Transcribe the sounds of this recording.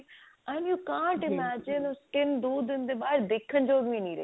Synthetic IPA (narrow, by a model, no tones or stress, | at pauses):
ʔə̃njukãːɳʈɪmæd͡ʒɪ̃nəskɪ̃nd̪uːd̪ːɪ̃nd̪eːbaːɾd̪eːkʰːə̃nd͡ʒoːɡʋĩnĩːɾɐ̰